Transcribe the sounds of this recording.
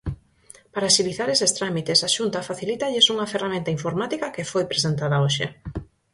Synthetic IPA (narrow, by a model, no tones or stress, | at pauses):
paɾaʃiliθaɾesest̪ɾamit̪esaʃunt̪ɐfaθilit̪ɐʎɪsuŋɐferamẽnt̪ɐiɱfoɾmat̪ikɐkefojpɾesent̪aðɐoʃḛ